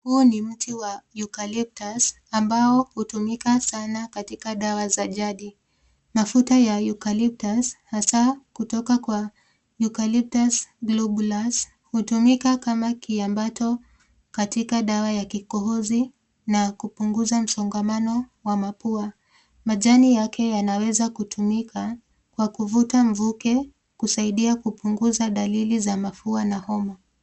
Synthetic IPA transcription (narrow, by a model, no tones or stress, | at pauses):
huːnim̩tiwajukalip̚tas | ambaɔhutumikasanakatikaɗawazaʄaɗi | mafutajajukalip̚tashasakutɔkakwa | jukalip̚tasɡlɔɓlas | hutumikakamakiambatɔ | katikaɗawajakikɔɦɔzi | nakupuŋɡuzam̩sɔŋɡamanɔwamapua | maʄanijakʰɛjanawɛzakutʰumikʰa | kwakuvutaɱ̩vukɛ | kusaiɗiakupuŋɡuzaɗalilizamafuanahɔma